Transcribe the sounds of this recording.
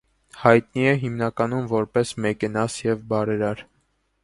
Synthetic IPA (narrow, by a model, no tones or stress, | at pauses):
hɑjt̪niɛɦimnɑkɑnumvɔɾpɛsmɛkɛnɑsjɛvbɑɾɛɾɑɾ